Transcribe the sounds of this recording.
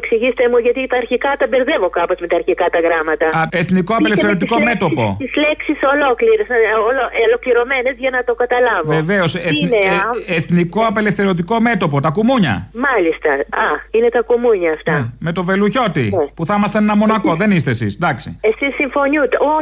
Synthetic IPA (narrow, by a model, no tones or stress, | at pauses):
ksiʝist̪emuʝɐt̪it̪ɐːɾçikɐt̪ɐbeɾðe̞vo̞kɐpozme̞t̪ɐːɾçikɐt̪ɐɣɾɐmɐt̪ɐeθniko̞ɐeleθeɾot̪iko̞me̞t̪o̞po̞̰isleksiso̞lo̞kliɾezɐololo̞kliɾo̞me̞nezʝɐnɐt̪o̞kɐt̪ɐlɐvoeve̞oseneeθniko̞ɐpe̞lefθe̞ɾot̪iko̞me̞t̪o̞pot̪ɐkumuɲɐ̰mɐlist̪ɐɐine̞t̪ɐkumuɲɐːft̪ɐme̞t̪o̞ve̞luço̞t̪ḭepuθɐmɐst̪eenɐmo̞nɐko̞ðe̞nist̪esḭsd̪ɐksḭesisːiɱfo̞nut̪o